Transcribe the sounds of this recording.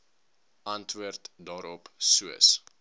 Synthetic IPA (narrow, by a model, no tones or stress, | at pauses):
ʔɐntʋuərtdɑːɾɔpsuəs